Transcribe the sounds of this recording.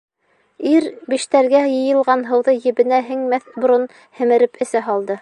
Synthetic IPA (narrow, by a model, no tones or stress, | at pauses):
iɾbĭʃt̪æɾɡæjɤ̆jɤ̆lˠʁɑnɦɤ̆wðɤjɘ̆βɘ̆næɦɘŋmæθbŏɾon | hɘ̆mɘ̆ɾɘpɘ̆sæɦɑlˠd̪ɤ